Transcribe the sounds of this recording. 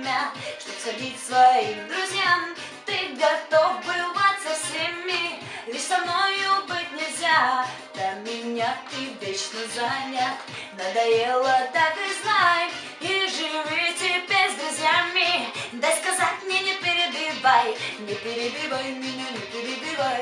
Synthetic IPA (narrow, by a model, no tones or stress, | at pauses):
mʲaʂt̪opsxɐdʲit̚ʲfsvɐimd̪ɾʊzʲjam | t̪ɨɡɐt̪ovbɨvat̪ʲsɐfsʲemʲːɪ | lʲɪʃsɐmnojʊbɨtʲnʲɪzʲa | d̪ɐmʲɪnʲat̪ɨvʲet͡ɕnəzanʲa | nɐd̪ɐjelˠət̪akɨznaj | iʐɨvʲitʲɪbʲezd̪ɾʊzʲjamʲɪd̪askɐzatʲmnʲɛnʲɪpʲɪɾʲɪd̪ɪbajnʲɪpʲɪɾʲɪbʲivəjmʲɪnʲanʲɪpʲɪɾʲɪbʲivaj